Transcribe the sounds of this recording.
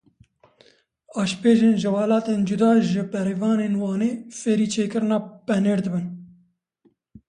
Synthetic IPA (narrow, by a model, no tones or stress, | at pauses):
ɑːʃpeːʒeːnʒɨwɑːlɑːt̪eːnd͡ʒud̪ɑːʒɨbɛɾeːvɑːneːnwɑːneːfeːɾiːt͡ʃʰeːkɨɾɨnɑːpɛneːɾd̪ɨbɨn